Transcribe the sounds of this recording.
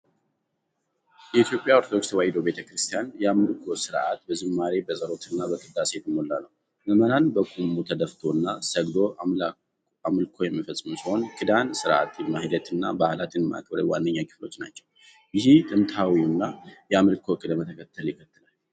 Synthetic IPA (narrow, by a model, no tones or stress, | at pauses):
jɛit̪jo̞pʼːjaoɾt̪ʰod̪okswajd̪obe̞t̪ʰəkɾɨst̪ʰijanjɛamɨlkʰo̞sɨɾʔat̪bəzɨmːaɾebəsʼəɾo̞t̪ɨnːabəkʼɨd̪aset̪ɨmːolːanəw | məmənanbəkʼumːut̪ʰəd̪əft̪ʰo̞ɨnːasəɡd̪o̞ | amɨlkʰo̞jɛmːəfəsʼmusiho̞nkʰʼɨd̪ansɨɾʔa̰t̪ʰmahid̪ət̪ɨnːabahlat̪ʰɨnmaʔa̰kʰʼbəɾəwandːəɲːakʰɨ̥flo̞̰t͡ʃːnat͡ʃːɛw | jɪhit̪ʼɨmt̪ʰawiɨnːajɛamɨlkʰo̞kʼɨd̪əmət̪ʰəkʰət̪ʰːəljɪkʰət̪ʰːɨlal